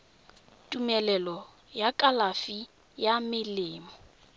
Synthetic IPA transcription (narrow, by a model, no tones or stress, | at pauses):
tʼumɛlɛlɔ | jakʼalafi | jamɪlɪːmɔ